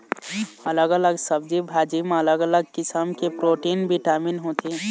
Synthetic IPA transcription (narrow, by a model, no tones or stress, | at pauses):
ələɡələɡsəb̚d͡ʒibʱaːd͡ʒimẽɐləɡələɡ̚kɪsəmkepɾoːʈiːnbiʈaːminɦoːt̪ʰe